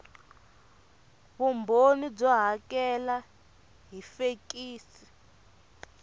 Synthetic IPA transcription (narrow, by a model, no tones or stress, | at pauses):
βumbʱonib͡ʐɔɦakɛla | ɦifek̬ʼiːsi̥